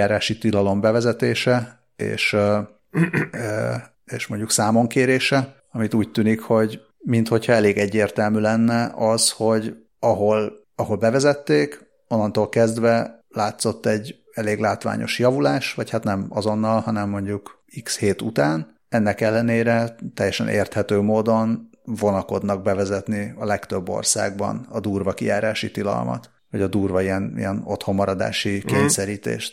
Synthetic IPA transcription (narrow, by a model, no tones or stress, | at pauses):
aːɾaːʃit̪ilɒlo̞mbɛvɛzɛt̪eːʃɛ | ḛːʃ | eːʃmo̞ɲɟuksaːmo̞ŋkeːɾeːʃɛ | ɒmit̪uːc̚t̪yːnikho̞ɟ | mint̪ho̞chɒɛleːɡɛɟːeːrt̪ɛlmyːlɛnːɛʔɒzho̞ɟ | ɒɦo̞l | ɒɦo̞lbɛvɛzɛt̪ːeːk | onːɒnt̪oːlkɛzd̪ʋɛlaːt̪so̞t̪ːɛɟː | ɛleːɡlaːt̪ʋa̰ːɲʔo̞̰ʃjɒvulaːʃʋɒchat̪nɛmɒzo̞nːɒlhɒnɛmːo̞ɲɟuk | iksheːt̪ut̪aːn | ɛnːɛkɛlːɛneːɾɛt̪ɛjːɛʃɛnʔḛːrt̪hɛt̪øːmoːd̪o̞n | vo̞nɒko̞d̪nɒɡ̚bɛvɛzɛt̪niɒlɛkt̪øbːo̰rsa̰ːɡ̚bɒ̰nɒd̪uːrvɒkijaːɾaːʃit̪ilɒ̰lmɒ̰t̪ | vɒɟɒd̪uːrvɒiɛnḭjɛno̞̰t̪ho̞mːɒɾɒd̪a̰ːʃikeːɲsɛɾiːt̪ḛːʃt̪